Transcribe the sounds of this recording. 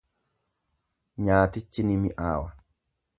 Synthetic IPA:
ɲaːt̪ɪt͡ʃːɪnɪmɪʔaːwɐ

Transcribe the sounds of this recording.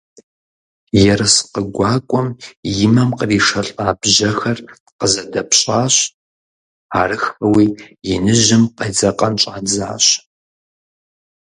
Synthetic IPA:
jɛɾɐsqəɡʷɑːkʷʼɔmjɪmɐmqəriːʂɐɬʼaːbʒɐxɐr | qəzɐdɐpɕʼaːɕ | aːrɨxɐwiːjɪnɨʒɪmqed͡zɐqʼɐnt͡ʃʼaːnd͡za̰ːɕʼ

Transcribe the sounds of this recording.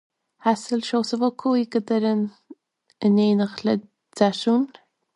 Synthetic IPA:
hasəlʃoːsəvokʰuiɡəd̪əɾən | əneːnəxlə | t͡saʃuːn

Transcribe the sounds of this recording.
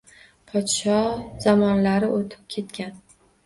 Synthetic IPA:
pʰɒt̪ʃɒz̥ɒmɒnlaɾɪʔot̪ʰɪ̥p̚kʲʰe̞t̪kʲʰan

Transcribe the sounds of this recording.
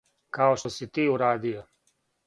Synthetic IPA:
kaoʃt̪osit̪iːuɾaːd̪ijo

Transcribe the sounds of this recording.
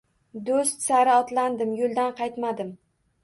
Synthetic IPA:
d̪ost̪saɾɪɒt̪land̪ɪmjolˠd̪anqʰɑjt̪mad̪ɪm

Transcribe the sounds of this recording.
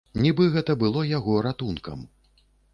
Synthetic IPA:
nʲibɨɣɛt̪ɐbɨlˠɔjaɣɔɾat̪unkɐ̰m

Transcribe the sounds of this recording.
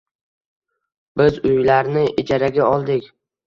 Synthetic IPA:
bɪzʊjlaɾnɪʔɪd͡ʒaɾaɡʲaɒlˠd̪ɪkʲ

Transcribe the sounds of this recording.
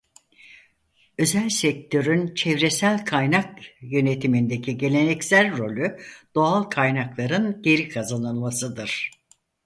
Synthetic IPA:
ø̞zælʲsɛk̚t̪ʰø̞ɾynt͡ʃʰɛvɾe̞sælʲkʰajnakjø̞ne̞t̪ʰimind̪e̞cʰiɟe̞lʲe̞nɛcsælʲɾo̞lʲyd̪̥o̞alˠkʰajnaklˠaɾɯnɟe̞ɾikʰazanɯlˠmasɯd̪ɯɾ̥

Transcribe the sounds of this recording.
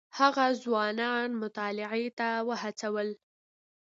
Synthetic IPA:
haɣazwɑnɑnmʊt̪ɑlɪʕet̪awəhat͡sawəl

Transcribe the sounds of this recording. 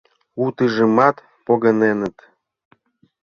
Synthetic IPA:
ut̪ɨʒəmɑt̪ | poɣənenət̪

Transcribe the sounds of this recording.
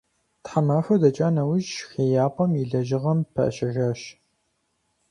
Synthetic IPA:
tħamaːfʷɐdɐt͡ʃʼaːnɐwʊʒxeːjaːpʼɐmjiɮɐʒɪʁɐmpʰɐ̰ʔɕɐʒɐːɕ

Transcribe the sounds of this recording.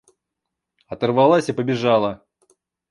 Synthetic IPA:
ɐt̪ərvalˠasʲipəbʲɪʐalˠə

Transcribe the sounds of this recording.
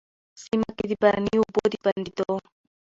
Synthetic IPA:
simakit̪ipaɾaniubod̪ipaɾndit̪ɔa

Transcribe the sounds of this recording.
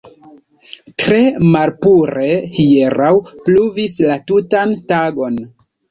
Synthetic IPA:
tɾe̞malpuɾe̞hieɾawpluvislatutantaɡo̞n

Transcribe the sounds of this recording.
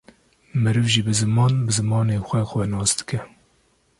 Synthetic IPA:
mɨɾɨvʒiːbɨzɨmɑːnbɨzɨmɑːneːxʷɛxʷɛnɑːsd̪ɨ̥kɛ

